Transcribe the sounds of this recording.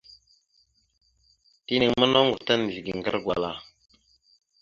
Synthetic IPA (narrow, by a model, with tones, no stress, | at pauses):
ti˦ni˨ŋmə˦no˦ŋɡu˨ta˦n˨ɮi˨ɡi˨ŋɡa̰˦ɾɡwa˨la˨